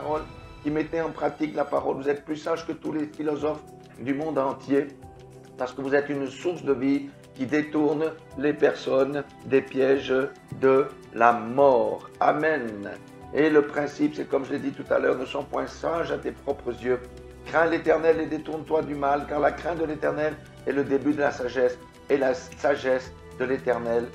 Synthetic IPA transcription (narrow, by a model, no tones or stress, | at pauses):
aʁɔlkʲimet̪eɑ̃pχat̪iklapaʁɔlvuzɛt̪̚plysaʒkət̪ulefilɔzɔf | d̪ymɔ̃d̪ɑ̃t̪je | paʁsə̥kəvuzɛt̪ynsuʁsd̪əvi | kʲid̪et̪uʁn | lepɛʁsɔn | d̪epjɛʒ | d̪ə | lamɔʁamɛn | eləpχɛ̃sipsɛkɔmʒəled̪it̪ut̪a̰lœ̰ʁnəsɔ̃pwɛ̃saʒat̪epχɔpχəzjø | kχɛ̃let̪ɛʁnɛled̪et̪uʁnt̪wad̪ymalkaʁlakχɛ̃t̪̚d̪əlet̪ɛʁnɛl | ɛləd̪ebyd̪əlasaʒɛs | ɛlasaʒɛs | d̪əlet̪ɛʁnɛl